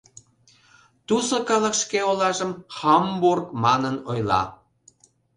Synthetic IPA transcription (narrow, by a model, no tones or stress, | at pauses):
t̪usokɑlə̆kʃkeolɑʒəmxɑmburkmɑnənojlɑ̰